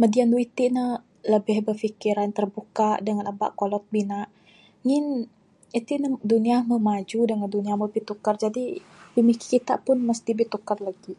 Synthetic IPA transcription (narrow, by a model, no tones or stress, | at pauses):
mədianduit̪iʔnəh | ləbɪhbəfikiɾant̪ərbukaʔdəŋanaba̰ʔkolɔt̪̚binaʔ | ŋɪn | it̪iʔnəduniaməmad͡ʒudəŋanduniaməbit̪ukard͡ʒadi | b̥imiki̥kit̪a̰ʔpʊnməst̪ibit̪ukarlaɡi